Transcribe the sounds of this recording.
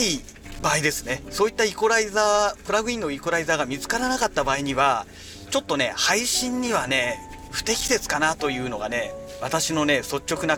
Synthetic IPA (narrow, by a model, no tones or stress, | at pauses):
i | baːid̪e̞sɨ̥ne̞so̞ːit̪ːaiko̞ɾaizaːpɯ̟ɾaɡɯ̟ĩnːo̞ikoɾaizaːɡamʲit͡sɨ̥kaɾanakat̪ːabaːiɲ̟iβa | t͡ɕo̞t̪ːo̞ne̞̰haiɕĩɲ̟ːiβane̞ | ɸɯ̟̥t̪e̞kʲi̥d̪e̞t͡sɨ̥kanat̪o̞jɯ̟ːno̞̰ɡa̰ne̞ | βat̪aɕino̞ne̞so̞t͡ɕːo̞kɯ̟na